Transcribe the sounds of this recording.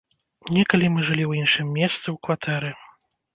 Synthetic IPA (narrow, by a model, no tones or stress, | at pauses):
nʲɛkalʲimɨʐɨlʲiwjinʂɨmːʲɛst̪sɨwkvat̪ʰɛɾɨ